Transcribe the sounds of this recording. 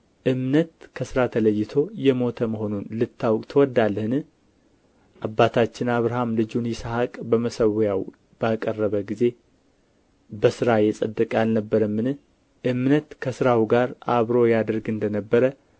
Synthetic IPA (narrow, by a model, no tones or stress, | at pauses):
ʔɨmnət̪kʰəsɨɾat̪ʰələjːɪt̪ʰo̞jɛmo̞t̪ʰəməɦo̞nunlɨt̪ʰːawkʼt̪ʰəwɔd̪alːəhɨnɨ | ʔabːat̪ʰat͡ʃːɪnaβɾaɦamlɨd͡ʒunjɪsahakʼbəməsəwjaw | b̥akʼərːəβəɡize̞ | bəsɨɾajɛsʼəd̪ːɨkʼalnəbːəɾəmːɨnɨ | ʔɨmnət̪kʰəsɨɾawiɡaɾʔaβɾo̞jad̪əɾɡɨnd̪ənəbːəɾə